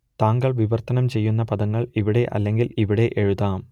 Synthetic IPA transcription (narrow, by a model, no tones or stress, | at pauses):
t̪aːŋɡɐɭʋɪʋɐrt̪ːɐnɐmt͡ɕejːunːɐpɐðɐŋːɐɭiʋiɽeʔɐ̰lːɐŋɡiliʋiɽeʔeɻɯðaːm